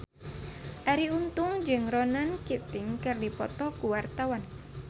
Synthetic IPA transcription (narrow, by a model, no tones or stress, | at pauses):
ʔaɾiunt̪ʊŋd͡ʒɨŋrɔnankit̪ɪŋkɨrdipɔ̰t̪ɔkuwart̪awan